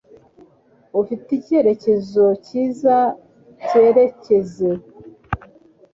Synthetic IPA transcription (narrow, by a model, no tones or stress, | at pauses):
ufitice̞ɾe̞ce̞zo̞ciːza | ce̞ɾe̞ce̞ze̞